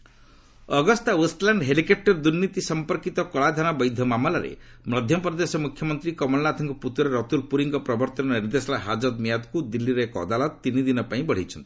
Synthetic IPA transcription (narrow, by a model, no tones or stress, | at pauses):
ɔɡɔst̪auslaɳɖɦelikep̚ʈɔɾd̪uɾnit̪isɔmpɔɾkit̪ɔkɔɭad̪ʱañabɔjd̪ʱjɔmamɔlaɾḛ | mɾɔd̪ʱjɔpɾɔd̪esɔmukʰjɔmɔnt̪ɾikɔmɔlnat̪ʰɔŋkɔput̪wɔɾeɾɔt̪ulpuɾiŋkɔpɾɔbɔɾt̪ɔnɔniɾd̪esɔlaɦad͡ʒɔd̪mijad̪kud̪ilːiɾɔekɔːd̪alɔt̪t̪inid̪inɔpaĩbɔɽ̤it͡ʃʰɔnt̪i̥